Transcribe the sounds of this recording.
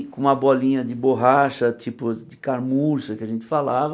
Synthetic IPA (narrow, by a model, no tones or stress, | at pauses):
kõũmɐbɔlĩɲɐd͡ʒɪboɦaʃɐt͡ʃipʊd͡ʒɪkaɾmuɾsɐkɪaʒẽnt̪ɪ̥falavɐ